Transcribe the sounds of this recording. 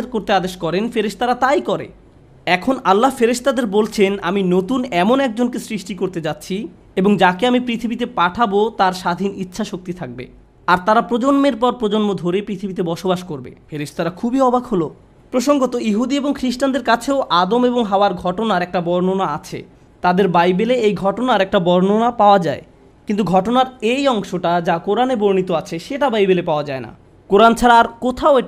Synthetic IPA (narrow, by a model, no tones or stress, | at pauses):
ɾkoɾt̪ead̪eʃkɔɾenfeɾeʃt̪aɾat̪ajkɔɾḛ | ɛkʰonalːafeɾeʃt̪ad̪eɾbolt͡ɕʰena̰minot̪unɛmonɛk̚d͡ʑonkesɾiʃʈikoɾt̪ed͡ʑatːɕʰi | eboŋd͡ʑakeamipɾit̪ʰibit̪epaʈʰabot̪aɾʃad̪ʱinitːɕʰaʃok̚t̪it̪ʰak̚bḛ | aɾt̪aɾapɾod͡ʑonmeɾpɔɾpɾod͡ʑonmod̪ʱoɾepɾit̪ʰibit̪̬ebɔʃobaʃkoɾbḛfeɾeʃt̪aɾakʰubiɔbʱakɦolo | pɾoʃoŋɡot̪oiɦud̪ieboŋkʰɾiʃʈand̪eɾkat͡ɕʰeoʔad̪omeboŋɦaoaɾɡʱɔʈonaɾɛk̚ʈabɔɾnonaat͡ɕʰḛ | t̪ad̪eɾbajbeleejɡʱɔʈonaɾɛk̚ʈabɔɾnonapaoad͡ʑae | kint̪uɡʱɔʈonaɾejɔŋʃoʈad͡ʑakoɾaneboɾnit̪oat͡ɕʰeʃeʈabajbelepaoad͡ʑaena̰ | koɾant͡ɕʰaɾaːɾkot̪ʰaoeʈ